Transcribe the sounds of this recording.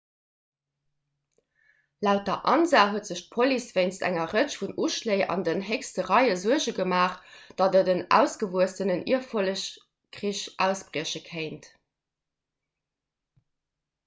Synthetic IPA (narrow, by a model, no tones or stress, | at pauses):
læʊt̚dɐʔɑnzaːɦuətz̥əɕt̚pʰolisv̥eɪnstæ̰ŋɐʁət͡ʃfunʔuʃleɪʔɑ̰ndənɦekstəʁɑɪəzuəʑəɡəmaːχd̥ɑdədənæ̰ʊsɡ̥əvuəstənənʔḭɐfoləɕ | kʁiɕʔæʊsb̥ʀiəɕəkʰeɪnt